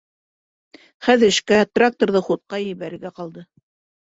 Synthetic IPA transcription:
χæðɘʃkæt̪rak̚t̪orðɤχut̪̚qɑjɘ̆jβæɾɘ̆ɾɡæqɑlˠd̪ɤ

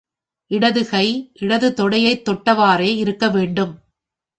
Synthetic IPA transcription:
ʔɪɽɐðɯɣɐɪʔɪɽɐðɯt̪ɔɽɐjɐɪt̪ːɔʈːɐʋaːɾeːɪɾɯkːɐʋeːɳɖɯm

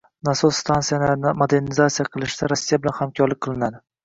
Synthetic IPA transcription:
nasʊst̪ʰant̪sijanɪnɪmod̪e̞ɾnɪzat̪sijaqʰɨlˠɪʃɪd̪aɾasːijabɪlanhamkʲʰɒɾlɪk̚ʲqʰɨlˠɪnad̪ɪ

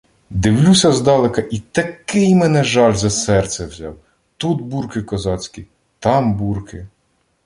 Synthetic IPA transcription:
d̪ɪwlʲusʲɐzd̪ɑlˠekɐʔit̪ɐkɪjmenɛʒɑlʲzɐsɛrt̪sʲɛwzʲɑ̰w | t̪ud̪burkɪkɔzɑt͡sʲkʲi | t̪ɑmburkɪ

